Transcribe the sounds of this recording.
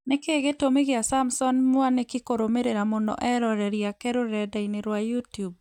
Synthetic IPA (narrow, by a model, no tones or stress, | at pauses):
nɛkeɡetomeɡɪasamsɔnmwanekɪkoɾomeɾeɾamɔnɔ̰ʔɛɾɔɾɛɾjakɛɾoɾɛdainɪɾwajutjub̚